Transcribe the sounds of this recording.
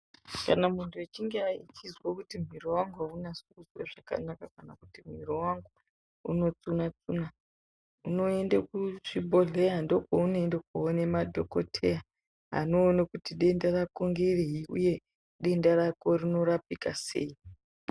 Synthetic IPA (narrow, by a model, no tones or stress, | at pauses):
kanamuntʰuet͡ʃiŋɡeait͡ʃizwokutim̤iɾo̞waŋɡuɦaunasukuzwaʐaka̰nakakanakutim̤irowaŋɡu | ṵno̞t͡sunat͡suna | uno̞e̞ndekuʐibʱo̞ɮe̞jando̞kounoendek̚oːnemadʱoko̞̰tʰe̞ja | ɦa̰no̞ːnakutiɗe̞ndarakoŋɡereɦiṵje̞ | ɗe̞ndaɾako̞rino̞ɾapikase̞̰ːi